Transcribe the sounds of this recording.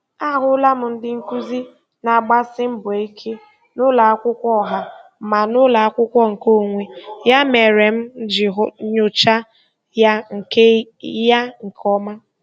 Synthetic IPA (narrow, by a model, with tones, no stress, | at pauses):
a˦ɦʊ˦la˦m̩˨n̩˦dɪ˦ŋ̩˦ku˦zi˦ | na˨ɡ͡ba˦sɪ˦m̩˦bʊ˨e˨i˦kʰe˦ | nʊ˦la˨a˦kʷʊ˦kʷɔ˦˨ɦa˦ma˨nʊ˦la˨a˦kʷʊ˦kʷɔ˦ŋ̩˨ko˦˨ŋʷe˦ja˦me˨ɾe˨m̩˦d͡ʒɪ˨ɦɲʊ˨t͡ʃa˦ | ja˦ŋ̩˨ke˦ja˦ŋ̩˨kʰɔ˦ma˦